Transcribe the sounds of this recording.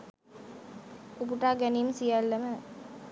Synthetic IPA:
upuʈaːɡænimsijalːɐmə

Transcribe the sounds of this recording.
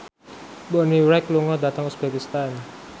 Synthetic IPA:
bɔniwɾɛkluŋɔdat̪aŋusb̥ekist̪an

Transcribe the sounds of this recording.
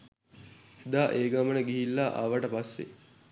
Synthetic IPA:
ed̪aːʔeːɡamənəɡiɦilːaʔa̰ʋəʈəpasːḛ

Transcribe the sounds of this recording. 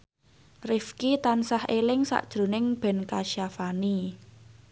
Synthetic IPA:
rɪfkit̪ansahʔelɪŋsa̰ʔd̥ʒ̥ɾo̤nɪŋb̥ɛ̤nkaʃjafani

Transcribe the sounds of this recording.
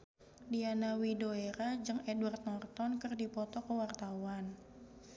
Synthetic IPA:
dianawidoeɾad͡ʒɨŋɛdwart̪̚nɔrt̪ɔnkɨrdipɔt̪ɔkəwart̪awan

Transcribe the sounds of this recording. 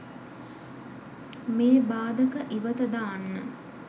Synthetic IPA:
meːbaːd̪əkəʔiʋət̪əd̪aːnːə

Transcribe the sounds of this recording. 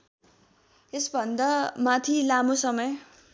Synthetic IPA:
esbʱʌnd̪ʌmat̪ʰilamosʌmʌj

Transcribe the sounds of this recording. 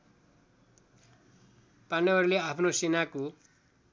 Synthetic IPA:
panʌʌɾleapʰnosenako

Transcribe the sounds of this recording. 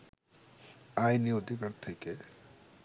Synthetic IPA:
ajniod̪ʱikaɾt̪ʰeke

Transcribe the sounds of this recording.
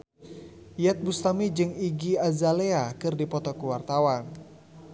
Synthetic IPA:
jat̪̚bust̪amid͡ʒɨŋiɡiazaleakɨrdipɔt̪ɔkuwart̪awan

